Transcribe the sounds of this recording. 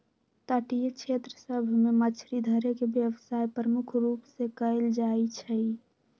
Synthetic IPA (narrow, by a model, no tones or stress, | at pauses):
t̪əʈijet͡ʃʰet̪ɾəsəbʱmemət͡ʃʰɾid̪ʱəɾekebjəʋsajpɾəmukʰɾupsẽkəɪld͡ʒajt͡ʃʰəj